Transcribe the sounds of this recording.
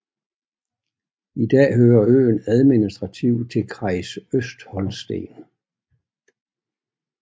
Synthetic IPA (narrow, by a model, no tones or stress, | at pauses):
id̥ɛ̰ːɦøːɐø̰ːnæðˠminisd̥ʁɑ̈t͡sʰiʊ̰t͡sʰe̝lkʰʁɑ̈ɪsøsd̥hɒ̽lsd̥e̝̰ːn